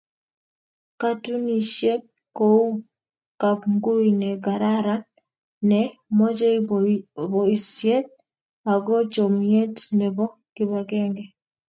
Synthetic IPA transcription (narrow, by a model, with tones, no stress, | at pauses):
ka˦tu˦ni˨ʃjɛ˦ | kou˦ | ka˨pŋɡu˦inɛ˨ɡa˨ɾaɾan | nɛmɔ˦d͡ʒɛ˦ | βɔi˨sjɛ˦t̚ | a˨ɡɔ˦t͡ʃɔ˨mije˦tnɛ˨βɔ˦ | ki˦βa˨ɡɛŋɡɛ